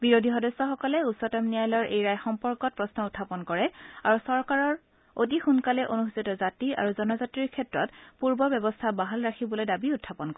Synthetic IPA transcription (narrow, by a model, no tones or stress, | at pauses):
biɹodʱixɔdɔsːɔxɔkɔlɛusɔtamnijajlɔɹʔejɹajxɔmpɔɹkɔt̚pɹɔsnɔutʰːapɔnkɔɹɛaɹusɔɹkaɹɔɹ | otixunkalɛʔonustʰitɔzatiʔa̰ɹuzɔnɔzatɹiɹkʰɛtɹɔtpuɹbɔbɛbɔstʰabaɦalɹakʰibolojdabiʊtʰːapɔnkɔɛ